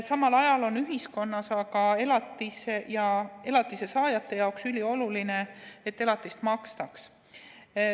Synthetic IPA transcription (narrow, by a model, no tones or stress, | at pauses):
sɑmɑlɑjɑlo̞nyɦisko̞nːɑsɑɡ̥ɑe̞lɑt̪ːˑisejɑe̞lɑt̪ːˑise̞sɑːjɑt̪ːˑe̞jɑoksylʲio̞luline̞et̪ːe̞lɑt̪ːˑist̪mɑkst̪ɑks